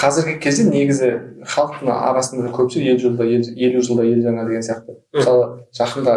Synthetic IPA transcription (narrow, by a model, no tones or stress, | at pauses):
qʰɑzɪɾɡʲɪkʲʰe̞zd̪ene̞ɡʲɪzɪχɑlˠəq̚t̪ənə̰ɑ̰ɾɑsənd̪ɑd̪ɑkʲʰɵpʃsje̞lʒəlˠd̪ɑee̞luʒəlˠd̪ɑje̞lʒɑɴɑd̪e̞ɡʲensijɑq̚t̪əməsɑlˠəʒ̥ɑqənd̪ɑ